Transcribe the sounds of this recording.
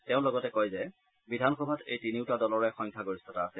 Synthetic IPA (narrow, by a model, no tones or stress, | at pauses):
tɛʊ̃lɔɡɔtɛkɔjzɛ | bidʱanxɔbʱatejtiniʊtadɔlɔɹɛxɔŋkʰaɡoɹisɔtaːsɛ